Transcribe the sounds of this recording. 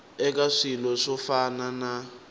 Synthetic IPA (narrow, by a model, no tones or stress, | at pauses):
ɛk̬ʼaʂilɔʂɔfanana